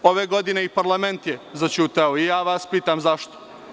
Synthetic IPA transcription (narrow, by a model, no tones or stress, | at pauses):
o̞ʋeɡo̞d̪ine̞ipaɾlˠame̞nt̪jezat͡ʃuːt̪aoijaːʋaspiːt̪amzaʃt̪o̥